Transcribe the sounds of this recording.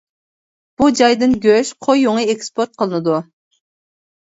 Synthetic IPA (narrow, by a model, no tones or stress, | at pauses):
b̥ud͡ʒɑjd̪ɨnɡʲøʃqʰojːoŋiekspʰoɾt̪̚qʰəlˠɨnɨd̪u